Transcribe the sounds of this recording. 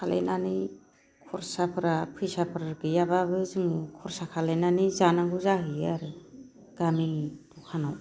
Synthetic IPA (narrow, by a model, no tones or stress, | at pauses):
kʰalḛnani | kʰɔɾsapʰɯɾapʰɯjsapʰɯɾaɡɯjabaβɯzɯŋukʰɔɾsakʰalenanizanaŋɡuzaɦɯjaɾɯ | ɡ̥amiŋitɔkʰanaw